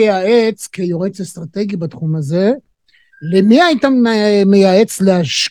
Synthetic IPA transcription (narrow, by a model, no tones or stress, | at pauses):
aet͡skejoʁet͡sest̪ʁat̪e̞ɡibat̪χumaze̞ | lemiajit̪amejae̞t͡sleaʃ